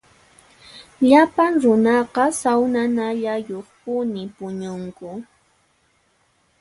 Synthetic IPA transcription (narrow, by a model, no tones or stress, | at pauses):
ʎapaŋɾʊnɑqɑsawnanaʎajoχpʊnɪpʊɲʊŋkʊ